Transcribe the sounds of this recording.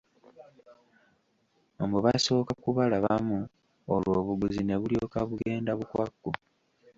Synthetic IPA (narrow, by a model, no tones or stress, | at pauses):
mbuβaso̞ːkakuβalaβamu | olwo̞ːβuɡuzine̞βulio̞ːkaβuɡe̞ːndaβukwa̰kːu